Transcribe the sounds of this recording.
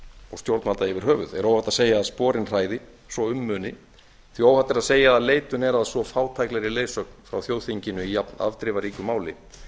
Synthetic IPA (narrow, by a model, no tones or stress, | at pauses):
ɔ̰ɣst̪jowɾt̪malt̪aɪvɪɾ̥ɦœːvʏ̰ðɛ̰ɾowhat̪ːaseːjaaðspɔːɾɪnr̥aːjðɪ | svɔʏmːœːnɪ | θiowhat̪ːaɾaðseːjaaðleːjt̪ʏnɛɾaðsvɔfaːwt̪ʰajklɛɾɪleːjsœk̚nfɾa̰wθjoːwðθiɲcɪnʏijapna̰vt̪ɾɪvaɾiːkʏmaːwlɪ